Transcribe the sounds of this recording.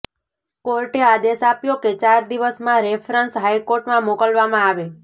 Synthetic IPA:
koɾʈead̪esapjoket͡ʃaɾd̪iʋəsmãɾefʰɾənsɦajkoɾʈmãmokəlʋamãaʋe

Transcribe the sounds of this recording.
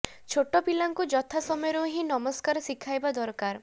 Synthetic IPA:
t͡ʃʰoʈopilaŋkud͡ʒɔt̪ʰasɔmɔjɔɾoɦĩnɔmɔskaɾɔsikʰajbad̪ɔɾkaɾ

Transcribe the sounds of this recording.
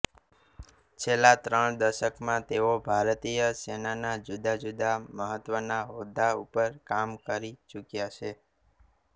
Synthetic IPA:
t͡ʃʰelːat̪ɾəɳd̪əɾʃəkmãt̪eobʱaɾt̪ijəsenanad͡ʒud̪ʱad͡ʒud̪ʱaməɦət̪ːʋənaɦod̪ːaupəɾkamkəɾit͡ʃukjat͡ʃʰe

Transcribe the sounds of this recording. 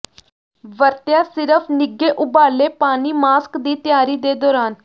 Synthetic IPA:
ʋəɾt̪jaːsɪɾəpʰnɪɡeːʔʊbaːleːpaːniːmaːskd̪iːt̪ɪjaːɾiːd̪eːd̪ɔːɾaːn

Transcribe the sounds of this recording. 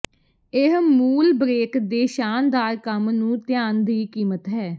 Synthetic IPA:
ɪɦmuːlbɾeːkd̪eːʃaːnd̪aːɾkəmnũːt̪ɪjãːnd̪iːkiːmət̪ɦɛː

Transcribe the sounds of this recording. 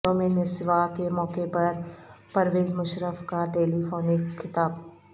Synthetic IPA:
õmẽnɪsʋakemɔːkepɐɾpɐɾʋeːzmʊʃɾəfkaʈeːlifoːnɪkʰːɪt̪aːb

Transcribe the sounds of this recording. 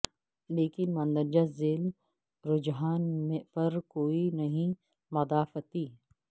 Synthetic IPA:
leːkɪnmɐ̃nd̪əɾd͡ʒazeːl | ɾʊd͡ʒɦaːnmepɐɾkoːinɐɦĩ | mɐd̪aːfət̪iː

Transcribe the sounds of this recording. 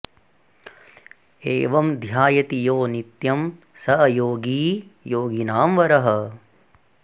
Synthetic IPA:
eːʋɐmd̪ʱjaːjɐt̪ijoːnit̪jɐm | sɐɐjoːɡiːjoːɡinaːmʋɐɾɐɦɐ

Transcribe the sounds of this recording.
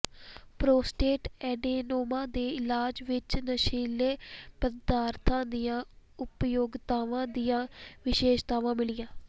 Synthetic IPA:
pɾoːsʈeːʈɛːɖiːnoːmãːd̪eːɪlaːd͡ʒʋɪt͡ʃnəʃiːleːpəd̪aːɾt̪ʰãːd̪ijãːʊpjoːɡt̪aːʋãːd̪ɪjãːʋɪʃeːʃt̪aːʋãːmɪlɪjãː

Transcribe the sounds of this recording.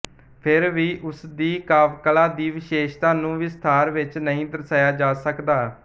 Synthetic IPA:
pʰɪɾʋiːʔʊsd̪iːkaːʋkəlaːd̪iːʋɪʃeːʃt̪ãːnũːʋɪst̪ʰaːɾʋɪt͡ʃnəɦĩːd̪əɾsaːjaːd͡ʒaːsəkd̪aː

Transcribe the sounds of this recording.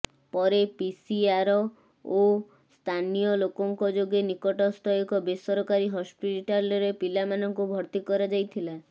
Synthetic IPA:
pɔɾepisiaɾɔ | o | st̪ʰanijɔlokɔŋkɔd͡ʒoɡenikɔʈɔst̪ʰɔjɔkɔbesɔɾɔkaɾiɦɔspiʈalɔɾepilamanɔŋkubʱɔɾt̪ikɔɾad͡ʒajt̪ʰila

